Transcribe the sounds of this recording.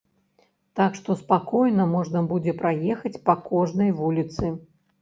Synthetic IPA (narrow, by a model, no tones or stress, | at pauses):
t̪akʂt̪ɔspakɔjnɐmɔʐnɐbud͡zʲɛpɾajɛxɐt͡sʲpɐkɔʐnɐjvulʲit̪sɨ